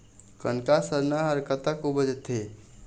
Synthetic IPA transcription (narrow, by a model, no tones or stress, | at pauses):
kənkasəɾnaɦəɾkət̪əkubəd͡ʒet̪ɦe